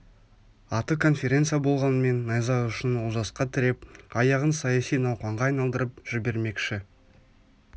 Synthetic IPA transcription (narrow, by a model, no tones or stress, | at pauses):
ɑt̪əkʰo̞nfʲe̞ɾʲe̞nt̪sɨjabo̞lˠʁɑnəme̞nːɑjzɑʊʃɪnwozɑsqɑt̪ʰɪɾe̞p̚ɑjɑʁənsɑjɑsijnɑwqɑɴʁɑːjnɑlˠd̪əɾəp̚ʒ̥ɪbe̞ɾme̞kʃɪ